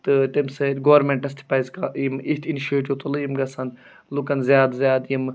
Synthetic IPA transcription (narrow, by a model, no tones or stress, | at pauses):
t̪ɨʈemsɐɡoʋɐɾmẽɳʈɐst̪ʰi̥paːjzkaʔjimit̪ʰiniʃeʈ̬iʋt̪olɐjimɡɐsɐn | lukɐnzjaːd̪zjaːd̪jim